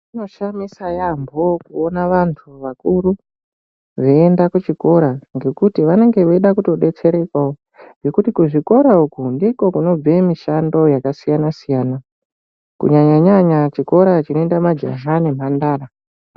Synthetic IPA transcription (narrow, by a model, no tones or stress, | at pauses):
ino̞ʃamisajambokuonaʋantʰuʋakuɾu | ʐeendakut͡ʃiko̞ɾaŋɡe̞kutiʋane̞ŋɡe̞ʋeiɗakuto̞ɗe̞t͡se̞ɾe̞kwao | ŋɡe̞kutikuʐiko̞ɾaukundiko̞kuno̞b͡vemiʃando̞jakasijanasijaːna | kṵɲaɲaɲaɲat͡ʃiko̞ɾat͡ʃino̞endamad͡ʒa̰ɦanem̤andaːɾa